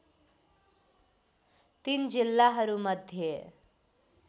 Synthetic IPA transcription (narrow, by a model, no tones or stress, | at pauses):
t̪ind͡zilːaɦʌɾumʌd̪ʱje